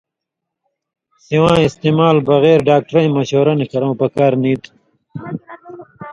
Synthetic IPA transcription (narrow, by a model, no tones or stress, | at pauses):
siwãːist̪eːmaːlbɐɣeːɾɖaːk̚ʈɾɐj̃mɐɕoːɾɐnikɐɾõwpɐkaːɾniːt̪